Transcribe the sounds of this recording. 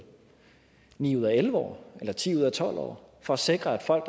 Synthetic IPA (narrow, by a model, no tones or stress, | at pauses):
nḭːuð̞̰ˠæelʋəɒ̰ːelɐt͡sʰḭːuð̰ˠæt͡sʰɒ̽l̰ɒ̰ːfɒ̽æse̝ɡ̥ʁɐæd̥fɒ̽l̰ɡ̥d̥